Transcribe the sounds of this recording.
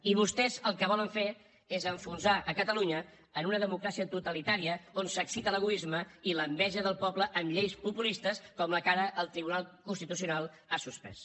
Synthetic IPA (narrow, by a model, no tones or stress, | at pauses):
iβust̪ɛzəlˠkəβɔləɱfe | ezəɱfunzaʔəkət̪əluɲəː | nunəðəmukɾasiət̪ut̪əlit̪aɾiəonsəksit̪ələɣuizməiləmbɛʒəðəlˠpɔbləʔːmʎejspupulist̪əskɔmləkaɾəʔəlˠt̪ɾiβunalˠkunst̪it̪usiunalˠ | asuspɛ̰s